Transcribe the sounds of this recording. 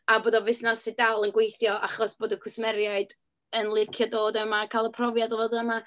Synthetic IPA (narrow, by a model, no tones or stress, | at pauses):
aboːdɔvɪsnasɪdalˠənɡwejθjɔʔa̰χɔsb̥oːdəkʰʊsmɛɾjaɨd | ənlˠɪkʰjɔdoːdəmakʰaːlˠəpʰrɔvjadɔvoːdəma